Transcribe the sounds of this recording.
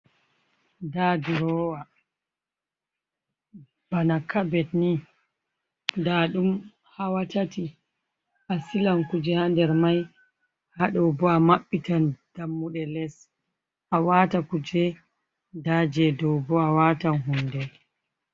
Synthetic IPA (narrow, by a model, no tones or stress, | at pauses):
dadiɾɔwa | b̥anakabɛtni | daɗum | hawatati | ʔasilankud͡ʒɛhandɛɾmaj | haɗɔwbɔamaɓːitand̥amːuɗɛlɛs | ʔawaːtakud͡ʒɛ | daːd͡ʒɛdɔwbɔawatanɦundɛ